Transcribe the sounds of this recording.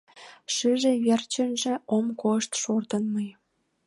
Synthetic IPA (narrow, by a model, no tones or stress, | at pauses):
ʃɨʒĕβert͡ɕə̆nʒĕomkoʃt̪ʃort̪ənməj